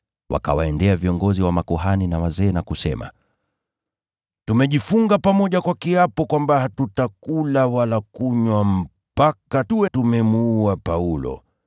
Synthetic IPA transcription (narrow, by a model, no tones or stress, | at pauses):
wʔa̰ka̰waɛndɛaviɔŋɡɔziwamakɔɦaninawazɛːnakusɛ̰ma̰ | tumɛʄifuŋɡapamɔʄakwakiapɔkwambahatutakulawalakuɲwam̩ | pakatuɛtumɛmuapaulɔ̰